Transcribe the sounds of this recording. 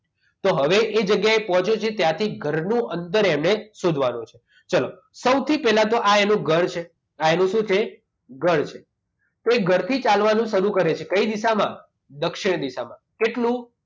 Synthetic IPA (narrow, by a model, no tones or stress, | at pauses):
t̪oɦəʋeʔed͡ʒəɡjaepɔɦɔ̃t͡ʃʰjot͡ʃʰet̪jãt̪ʰiɡʱəɾnũʔənt̪əɾemnesod̪ʱʋanũt͡ʃʰe̥ | t͡ʃəlo | səwt̪ʰipɛɦlãt̪̬oʔaenũɡʱəɾt͡ʃʰe | aenũʃũt͡ʃʰe | ɡʱəɾt͡ʃʰe | t̪oeɡʱəɾt̪ʰit͡ʃalʋanũʃəɾũkəɾet͡ʃʰekəid̪iʃamã̰ | d̪əkʃɪɽ̃d̪iʃamãkeʈlũ